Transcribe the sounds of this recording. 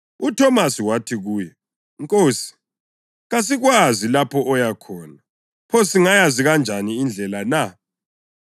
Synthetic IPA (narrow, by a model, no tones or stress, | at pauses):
utʰɔmasiwatʰiɣuːjɔ | ŋkʼoːsi̥ | ɣas̬iɣwazilapʰɔʔɔjakʰɔːna | pʰosiŋajaziɣand͡ʒʱaniːnd͡ɮʱɛlana